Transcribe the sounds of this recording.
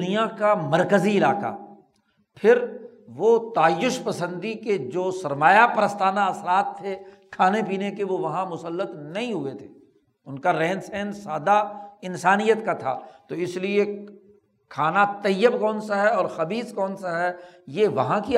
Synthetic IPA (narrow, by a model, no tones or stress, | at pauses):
nijakamɐɾkəziɪlaːka̰ | pʰɪɾ | ʋot̪aːjːʊʃpɐsə̃nd̪iked͡ʒoːsɐɾmaːjapɾəst̪aːnaɐsɾaːt̪ʰːe | kʰaːnepiːnekeʋoʋɐɦãmʊsəlːət̪nɐɦĩɦʊet̪ʰeː | ʊnkaɾɛːnsɛːnsaːd̪aɪnsaːnijət̪kat̪ʰa̰ːt̪oɪslie | kʰaːnat̪ɐjːəbkɔːnsaɦɛɔːɾxɐbiːzkɔːnsaɦɛ | jeʋɐɦãki